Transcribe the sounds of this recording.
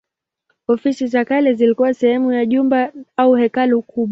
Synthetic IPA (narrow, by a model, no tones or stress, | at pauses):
ɔfisizakalɛzilikuwasɛhɛmujaʄumbaauhɛkalukʰuɓwa